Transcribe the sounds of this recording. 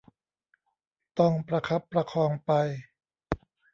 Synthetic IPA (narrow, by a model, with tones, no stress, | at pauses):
t̪ɔ˥˩ŋpɾa˧kʰa˦˥pːɾa˧kʰɔː˧ŋpa˧j